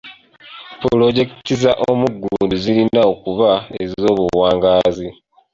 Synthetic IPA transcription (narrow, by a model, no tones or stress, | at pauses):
pulo̞ɟe̞ktizaʔomuɡːuuːnduzilinaokuβae̞zzo̞ːβuwaːŋɡaːzi